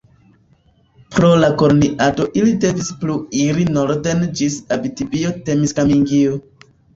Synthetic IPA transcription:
pɾo̞lako̞ɾniʔado̞ʔilide̞vispluiɾinoɾde̞nd͡ʒisabitibiote̞miskamiŋɡio

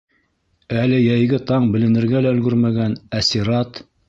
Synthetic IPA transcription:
ælɘjæjɡɘt̪ɑɴbɘ̆lɘ̆nɘ̆ɾɡælæɵ̆lɡɵɾmæɡænæsiɾɑt̪

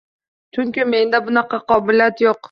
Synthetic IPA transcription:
t͡ʃʰʊŋkʲɪme̞nd̪abʊnɑqʰɑqɒbɪlijat̪joq

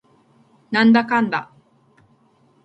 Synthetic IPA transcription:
nand̪akand̪a̰

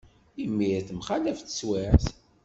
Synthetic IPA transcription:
imːiɾθmχalæfθə̥swiɾθ

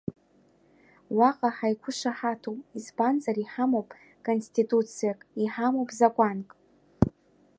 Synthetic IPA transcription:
waqʼaħajkʷʰʊʂaħatʰowpʼizbanzariħamowpʼ | kʼonstitʼut͡sʰijakʼiħamowpʼzakʷʼankʼ

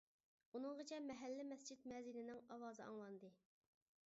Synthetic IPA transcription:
unɨŋʁət͡ʃʰɛmɛɦɛlːɪmɛst͡ʃʰit̪mɛzilɪnɪŋɑwɑːzɨɑ̰ŋlˠɑnd̪ɨ

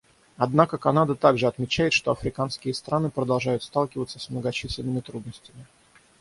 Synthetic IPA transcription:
ɐd̪nakəkɐnad̪ət̪aɡʐɨɐt̪mʲɪt͡ɕæjɪt̪ʂt̪o̞ɐfɾʲɪkanskʲɪjəst̪ɾʔanɨpɾəd̪ɐlˠʐajʊt̪st̪alˠkʲɪvət̪səsmnəɡɐt͡ɕisʲlʲɪnːɨmʲɪt̪ɾud̪nəsʲtʲɪmʲɪ

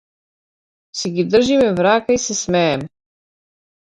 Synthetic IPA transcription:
siɡid̪r̩ʒimɛvɾaːkaisesmeːm

